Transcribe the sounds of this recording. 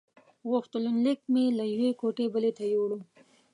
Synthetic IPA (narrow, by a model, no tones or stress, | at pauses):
ɣoxt̪ʊlunlɪk̚melajwekoʈebəlet̪ajowɽu